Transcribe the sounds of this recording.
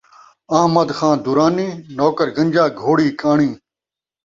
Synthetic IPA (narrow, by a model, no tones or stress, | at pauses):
ɐːmɐd̪xãːd̪uɾaːnĩːnoːkəɾɡɐ̃ɲʲd͡ʒaːɡʱoːɽiːkaːɳĩː